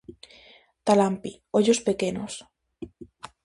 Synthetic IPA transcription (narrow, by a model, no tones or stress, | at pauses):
t̪alampi | oʎospekenos